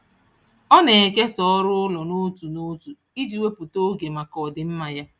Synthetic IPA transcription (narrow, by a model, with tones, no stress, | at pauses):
ɔ˦ne˨e˨ke˦sɔ˦ɔ˦ɾʊ˦ʊ˦lɔ˨no˦tu˨no˦tu˨ | i˦d͡ʒi˨we˦pʊ˨to˦ɡe˨ma˨kɔ˨dɪ˨m̩˦ma˨ja˦